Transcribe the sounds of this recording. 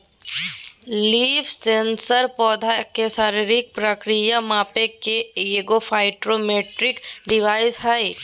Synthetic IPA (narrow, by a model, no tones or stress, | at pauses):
liːfʰsẽːnsəɾpɔːd̪ʱakeʃaːɾiɾɪk̚pɾəkɾijamaːpekeeɡofʰaːɪʈɾomeːʈɾɪkɖɪʋaːɪzɦai